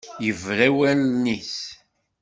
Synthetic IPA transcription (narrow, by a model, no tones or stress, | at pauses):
jəvɾæwælnis